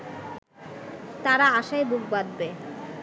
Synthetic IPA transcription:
t̪aɾaaʃajbuɡbad̪be

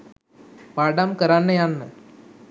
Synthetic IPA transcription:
paɖamkɐɾanːɐjaːnːɨ

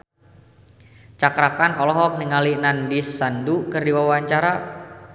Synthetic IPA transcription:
t͡ʃakɾakanɔlɔɦɔk̚niŋalinandisːandukɨrdiwawaɲt͡ʃaɾa

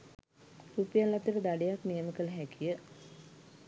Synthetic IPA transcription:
rupijalːat̪ːiɾəd̪aɖejaknijəməkəlɦɛkijə

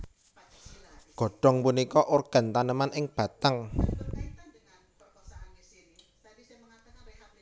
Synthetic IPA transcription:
ɡ̥ɔ̤ɖ̥ɔ̤ŋpunikɔʔorɡ̥a̤nt̪anəmanɪŋb̥ä̤t̪aŋ

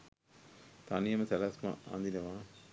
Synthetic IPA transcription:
t̪anijɐmɐsɛlasma̰a̰nd̪inɐʋaː

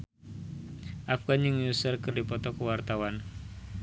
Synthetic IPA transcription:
ʔafɡanjɨŋjusərkərdipɔt̪ɔkəwart̪awan

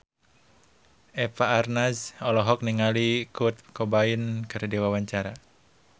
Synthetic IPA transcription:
ɛpaːrnasɔlɔɦɔk̚niŋalikut̪̚kɔbainkɨrdiwawaɲt͡ʃaɾa

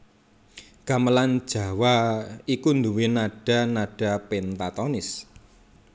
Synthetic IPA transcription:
ɡ̥a̤məland̥ʒ̥a̤waikund̪uwɪnaɖ̥ä̤naɖ̥a̤pent̪at̪ɔnɪs

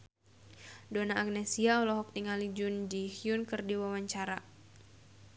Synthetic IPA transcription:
donaːɡnɛsiaɔlɔɦɔk̚t̪iŋalid͡ʒʊndihjunkɨrdiwawaɲt͡ʃaɾa

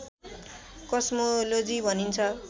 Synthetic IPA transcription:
kʌsmolod͡zibʱʌnint͡sʰʌ

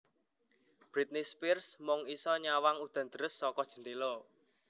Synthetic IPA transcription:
b̥ɾit̪̚nispirsmɔŋisɔɲawaŋud̪̥a̤nd̪əɾəsːɔkɔd̥ʒ̥ə̤nd̪elɔ

